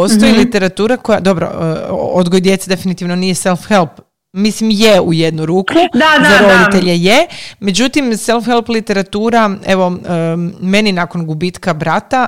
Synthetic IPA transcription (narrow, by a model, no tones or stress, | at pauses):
ostt̪ojilit̪e̞ɾat̪uːɾako̞jad̪o̞bɾo̰od̪ɡojid̪je̞t̪sed̪e̞finit̪iʋno̞nije̞se̞lˠfxelp | mislimjeuje̞d̪nuɾuːkʰud̪aoɾod̪it̪eʎejeme̞d͡ʑut̪imse̞lˠfxelplit̪e̞ɾat̪uːɾaeʋo̞ | me̞ninako̞nɡubit̪kabɾat̪a